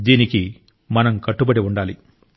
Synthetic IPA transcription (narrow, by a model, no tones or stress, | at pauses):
d̪iːniki | mɐnɐmkɐʈːubɐɽiuɳɖaːli